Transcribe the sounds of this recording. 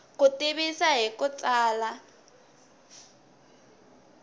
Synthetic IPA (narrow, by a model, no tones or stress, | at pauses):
kʼutɪβisaɦikʼut͡sʼaːla